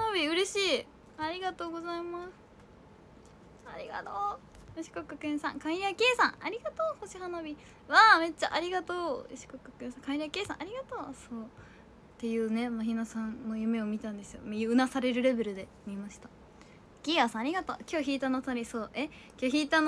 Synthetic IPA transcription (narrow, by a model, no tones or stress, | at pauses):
anobʲiɯ̟ɾe̞ɕiː | aɾʲiɡat̪o̞ːɡo̞zaimasɨ̥ | aɾʲiɡa̰t̪oː | ɯɕi̥kokːakẽɰ̃sã̰ŋkãĩɾakʲe̞ːsã̰ŋaɾʲiɡat̪oːhoɕiɦanobʲi | βaːme̞t͡ɕːaʔaɾʲiɡat̪o̰ːɕi̥kokːakẽɰ̃sãŋkaĩɾakeːsã̰ʔaɾʲiɡat̪oːsoː | t̪e̞jɯ̟ːne̞maçʲinasãnnːo̞jɯ̟me̞omʲit̪ãnd̪e̞sɨjo̰miɯɯnasaɾe̞ɾɯ̟ɾe̞be̞ɾɯ̟d̪e̞ | mʲimaɕi̥t̪ḁ | ɡ̥ʲiasãːɾʲiɡat̪oːkʲo̞ːçiːt̪anot̪ːɾʲisoːʔekʲoːçiːt̪ano